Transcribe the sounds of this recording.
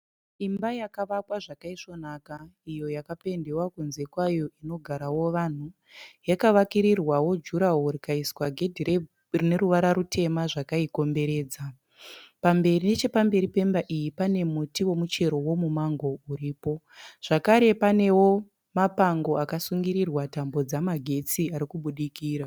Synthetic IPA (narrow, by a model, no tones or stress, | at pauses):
imbajakaʋakwaʐakaiʂo̞nakaijo̞jakape̞nde̞wakunze̞kwajo̞ʔino̞ɡʱaɾawo̞ʋan̤u | jakaʋakiɾirwawo̞d͡ʒuɾawoɾikaiswaɡʱe̞dʱiɾe | rine̞ɾuʋaɾaɾutʰe̞maʐakaiko̞mbe̞ɾe̞ːd͡za | pambe̞rine̞t͡ʃe̞pambe̞ɾipe̞mbaʔijipane̞mutiwo̞mut͡ʃe̞ɾo̞wo̞mumaŋɡo̞uɾiːpo̞ | ʐ̥akaɾe̞pane̞wo̞ | mapaŋɡo̞akasuŋɡiɾirwatambo̞d͡zamaɡʱe̞t͡siaɾikuɓuɗikiːɾa